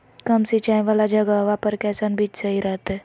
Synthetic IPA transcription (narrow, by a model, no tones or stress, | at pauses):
kɐmsit͡ʃaːẽʋaːlad͡ʒɐɡaʋapəɾkɛːsənbʱiːt͡ʃsɐɦiɾɛɦt̪ɛ